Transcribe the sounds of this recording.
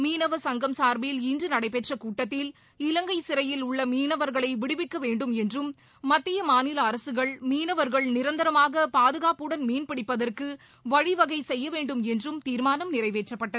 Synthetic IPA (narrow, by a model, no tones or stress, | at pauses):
miːnɐʋɐsɐŋɡɐmsaːɾbɪjɪlindrɯnɐɽɐɪpeʈrɐkuːʈːɐt̪ːɪl | ɪlɐŋɡɐɪsɪɾɐjɪlʊɭːɐmiːnɐʋɐɾɣɐɭɐɪʋɪɽɪʋɪkːɐʋeːɳɖɯmɛndrɯmː | ɐt̪ːɪjɐmaːnɪlɐːɾɐsɯɣɐɭmiːnɐʋɐɾɣɐɭnɪɾɐnd̪ɐɾɐmaːɣɐpaːðɯɣaːpɯɽɐnmiːnpɪɽɪpːɐðɐrkɯ | ʋɐɻɪʋɐɣɐɪsɛjːɐʋeːɳɖɯmɛndrɯmt̪iːɾmaːnɐmnɪrɐɪʋeːʈrɐpːɐʈːɐðɯ